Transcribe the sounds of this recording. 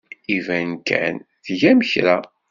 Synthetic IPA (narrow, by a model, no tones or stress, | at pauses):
ivænkʰæ̰nθʝæməçɾæ